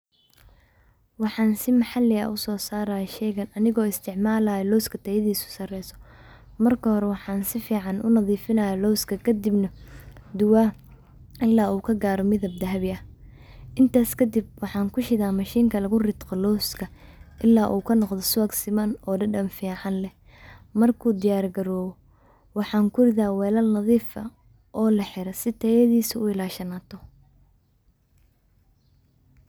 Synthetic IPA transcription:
wɑħɑːnsɪmɑħɑlːɪɐ̰ʔʊsɔːsaːɾɐjʃɛjɣɐnɐnɪɣɔːɪst̪ʰɪʕmaːlɐjɛlɔwskʰɐt̪ʰɐjɐðiːsʊ̥sɐrɛjsɔ̥ | mɐrkʰɐhɔɾɛwɑħɑːnsɪfiːʕɑnʔʊ̰nɐðiːfɪnɐjɐlɔwskʰɐkʰɐd̪ɪbnɐd̪ʊwa | ɪlːaːuːkʰɐɡaːɾɔmɪðɐb̚d̪ɐɦɐβɪɐh | ʔɪnt̪ʰaːskʰɐd̪ɪb̚wɑħɑːŋkʰʊʃɪðaːmɐʃiːŋkʰɐlɐɣʊrɪd̪qɔlɔːskʰɐʔɪlːaːʔuːkʰɐnɔqd̪ɔsɔːɡsɪmɐnɔːɖɐɖɐnfiːʕɑnlɛ | mɐrkʰuːd̪ɪjaːrɡɐɾɔːwɔ | wɑħɑːŋkʰʊrɪðaːwɛːlɐlnɐðiːfɐ̰ | ʔɔːlɐħɪɾɐsɪt̪ʰɐjɐðiːsɪʊɪlaːʃɐnaːt̪ʰɔ

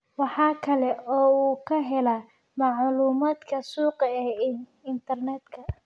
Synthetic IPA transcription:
wɑħɑːkʰɐlɛʔɔːuːkʰɐɦɛlɐ | mɑʕluːmaːd̪kʰɐsuːqɛɪnt̪ʰɐrnɛːd̪kʰɐ

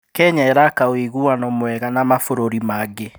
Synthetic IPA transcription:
kɛɲaɛɾakaweɣuwanɔmwɛɣanamafoɾoɾimaɡe

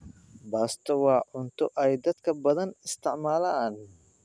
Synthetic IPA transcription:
baːst̪ɔwɑːʕʊnt̪ʰɔʔɛjd̪ɐd̪kʰɐbɐðɐnɪst̪ɪʕmaːlan

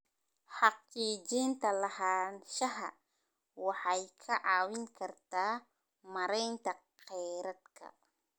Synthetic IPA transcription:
ħɑqiːd͡ʒiːnt̪ʰɐlɐhaːnʃɐɦɐ | wɑħɑjkʰɐʕɑːwɪŋkʰɐrt̪ʰaː | mɐɾɛjnt̪ʰɐ | qɛjɾɐd̪kʰɐ̰

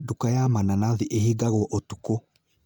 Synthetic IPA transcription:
dukajamananaðiʔehiɡaɣɔʔotuko

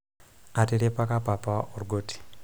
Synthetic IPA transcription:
ateɾepakapapaʔoɾuɡoti̥

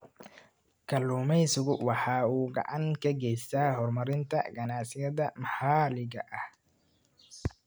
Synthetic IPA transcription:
kʰɐluːmɛjsʊɣʊwɑħɑːuːɡɐ̰ʕɑŋkʰɐɡɛjst̪ʰaːɦɔrmɐɾɪnt̪ʰɐ̰ɡɐnɑsɪjɐðɐmɐhaːlɪɣɐʔɐh

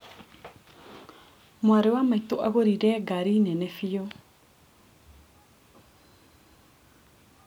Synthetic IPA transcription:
mwaɾewamaitoʔaɣoɾiɾɛɡaɾinɛnɛfijo

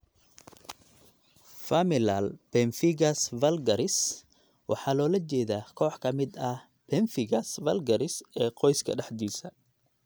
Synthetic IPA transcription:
fɐmɪlalpɛnfɪɡɐsvɐlɡɐɾɪs | wɑ̰ħɑːlɔːlɐt͡ʃɛːðaːkʰɔːħkʰɐmɪd̪ɐh | pʰɛnfɪɡɐsvɐlɡɐɾɪsɛːqɔjskʰɐ̰ɖɑħd̪iːsɐ

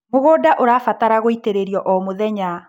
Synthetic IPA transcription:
moɣoːdaʔoɾaːfataɾaɣoiteɾeɾiɔʔɔmoðɛɲa

